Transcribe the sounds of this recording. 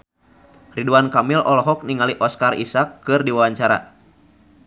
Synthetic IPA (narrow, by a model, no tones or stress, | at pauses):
riduankamilɔlɔɦɔk̚niŋaliʔɔskarḭsakːɨrdiwawaɲt͡ʃaɾa̰